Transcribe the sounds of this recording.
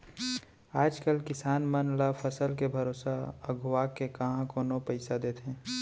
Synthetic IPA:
aːd͡ʒkəlkɪsaːnmənlafʰəsəlkebʱɐɾoːsaəɡʱwaːkːekɐɦãkoːnopəɪsad̪eːt̪ʰẽː

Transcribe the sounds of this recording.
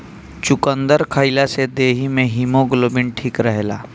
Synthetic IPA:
t͡ʃʊkə̃nd̪əɾkʰaɪlased̪eːɦimẽɦimoɡlobɪɳʈʰiːkɾəɦela̰ː

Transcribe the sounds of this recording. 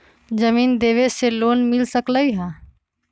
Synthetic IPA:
d͡ʒəmiːnd̪eʋeseloːnmilsəkləiɦã

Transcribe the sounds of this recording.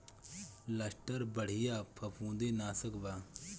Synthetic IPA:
ləsʈəɾbəɽ̤ɪjaːpʰɐpʰũːd̪enaːsəkbaː

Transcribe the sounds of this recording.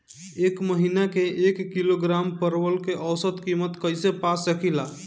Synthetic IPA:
ekməɦinakeʔekːiloɡɾampəɾʋəlkeʔəwsət̪kimət̪kəjsepasəkʰila

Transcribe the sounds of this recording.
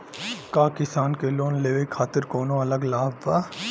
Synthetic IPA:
kaːkɪsaːnkeloːnleːʋekʰaːt̪ɪɾkoːnõɐləɡlaːbʋaː

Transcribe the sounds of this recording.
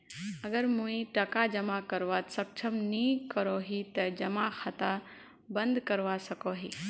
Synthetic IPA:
ɐɡəɾmuĩʈɐkad͡ʒɐmakɐɾʋat̪sɐk̚t͡ʃʰɐmnikəɾoːɦit̪ɐd͡ʒɐmaxʰat̪a | bɐ̃nd̪kɐɾʋasɐkoɦiː

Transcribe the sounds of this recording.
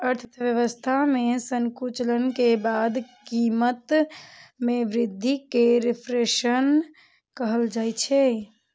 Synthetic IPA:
əɾt̪ʰə̥t̪ʰʋjəʋəst̪ʰamẽsəŋkut͡ʃələnkebad̪kimət̪ | meʋɾɪd̪ʱːikeɾɪpʰɾeʃən | kəɦəld͡ʒajt͡ʃʰɛ

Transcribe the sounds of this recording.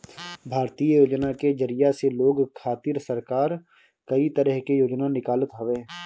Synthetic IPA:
bʱaːɾt̪ijjoːd͡ʒnaked͡ʒəɾɪjaseloːɡkʰaːt̪ɪɾsəɾkaːɾ | kɐit̪əɾəɦkejoːd͡ʒnanɪkaːlət̪ɦoʋeː

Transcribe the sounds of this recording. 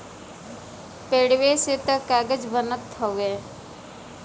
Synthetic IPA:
peːɽweset̪əkaːɡəd͡ʒbənət̪ʰːoeː

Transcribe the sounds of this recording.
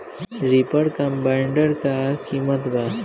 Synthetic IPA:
ɾipəɽkəmpaiɳɖəɾkakiːmət̪ba

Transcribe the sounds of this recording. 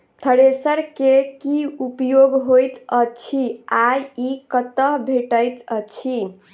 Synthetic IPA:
t̪ʰəɽesəɾkekiupjoɡɦojt̪ət͡ʃʰiajikət̪əɦbʱeʈəjt̪ət͡ʃʰi

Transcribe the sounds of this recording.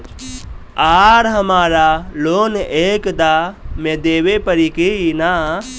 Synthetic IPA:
aːɾɦəmaːɾaloːneːkd̪amẽd̪eːwepəɾikina

